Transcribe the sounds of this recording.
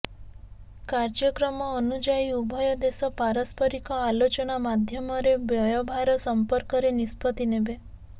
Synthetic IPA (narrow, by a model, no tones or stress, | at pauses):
kaɾd͡ʒɔkɾɔmɔːnud͡ʒaiubʱɔjɔd̪esɔpaɾɔspɔɾikɔalot͡ʃɔnamad̪ʱjɔmɔɾebjɔjɔbʱaɾɔsɔmpɔɾkɔɾenispɔt̪inebe